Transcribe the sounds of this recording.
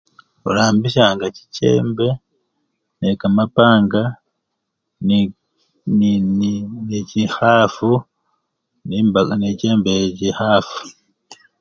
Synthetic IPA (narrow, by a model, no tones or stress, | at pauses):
o̰laːmbiʃ̬aːŋɡaci̥ce̞̰ːmbe̞ | nekamapaːŋɡa | necihafu | nibanice̞ːmbecihafu̥